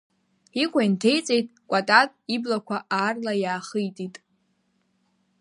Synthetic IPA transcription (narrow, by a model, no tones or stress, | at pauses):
ikʷʼajntʰe̞jt͡sʼejtʼkʷʼatʼatʼiblakʷʰaʔaːrlajaːχɨjtʼitʼ